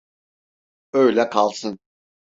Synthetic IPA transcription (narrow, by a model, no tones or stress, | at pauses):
øjlʲɛkʰalˠsɯn